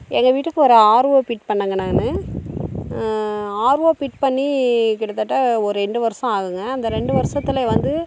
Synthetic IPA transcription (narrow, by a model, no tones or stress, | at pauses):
ɛŋɡɐʋiːʈːɯkːɯɔɾɯaːɾɯʋoːpiʈpɐɳːɐŋɡɐnaːnɯ | aːɾɯʋoːpiʈpɐɳːikɪɽɐt̪ːɐʈːɐɔɾɯɛɳɖɯʋɐɾɐsɐ̃aːɣɯŋɡɐːnd̪ɐɾɛɳɖɯʋɐɾsɐt̪ːɪleʋɐnd̪ɯ